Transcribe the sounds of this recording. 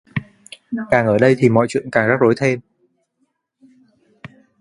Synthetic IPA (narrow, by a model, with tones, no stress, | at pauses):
kaː˨˩ŋʔəː˧˩ɗə˧jt̪ʰi˨˩mɔ̰˧˨jt͡ɕwḭ˧˨ənkaː˨˩ŋza˦˥k̚zo˨˦jt̪ʰe˧m